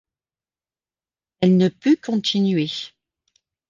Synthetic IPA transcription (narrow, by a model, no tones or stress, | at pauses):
ɛlnəpykʰɔ̃t̪ʰinɥe